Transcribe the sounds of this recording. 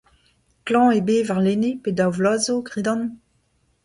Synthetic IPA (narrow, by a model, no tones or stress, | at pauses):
klɑ̃ebeːvaʁlenepedawvlazoɡʁidɑ̃n